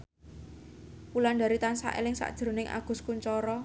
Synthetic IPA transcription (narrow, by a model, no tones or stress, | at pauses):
pulanɖa̤ɾit̪ansa̰ʔḛlɪŋsa̰ʔd̥ʒ̥ɾo̤nɪŋʔa̰ɡ̥ʊ̤skuɲt͡ʃɔɾɔ